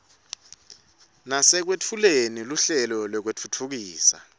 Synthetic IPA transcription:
nasɛk̬wetʰuleniluɬɛlɔlwɛk̬wetʰutʰuk̬iːsa̰

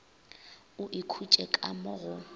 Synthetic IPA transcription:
ʊʔikʰut͡ʃʼɛkʼamʊɣʊ

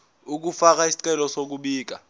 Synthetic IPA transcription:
uk̬ufak̬aisi̥ǀʼɛlɔsok̬uɓiːk̬a

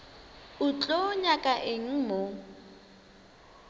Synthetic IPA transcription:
ʊt͡ɬʼoɲakʼaʔɪŋ̩mo

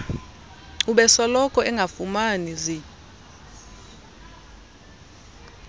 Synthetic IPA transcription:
uɓɛsɔlɔkʼɔɛŋɡʱafumanizi

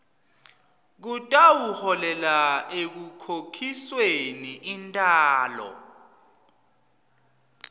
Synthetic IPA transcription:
k̬utʼawuhɔlɛlaek̬ukʰokʰisweniʔintʼaːlɔ̰

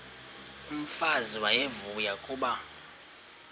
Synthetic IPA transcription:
um̩faziwajevujakʼuːɓa

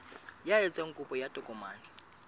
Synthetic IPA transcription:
jajɛt͡sʼɛŋkʼupʼɔjatʼɔkʼɔmaːni

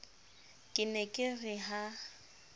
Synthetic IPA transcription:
kʼɪnɛkʼɪrɪɦa

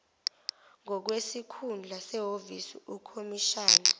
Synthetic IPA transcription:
ŋɔk̬wesikʰund͡ɮʱasɛɦovisiukʰomiʃaːna

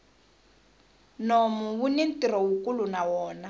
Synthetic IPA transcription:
nɔmuβunin̩tʼiɾɔwukʼulunawɔːna

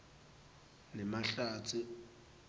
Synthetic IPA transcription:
nɛmaɬaːt͡sʰʊ

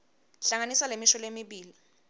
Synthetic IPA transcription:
ɬaŋanisalemiʃɔlemiɓiːli

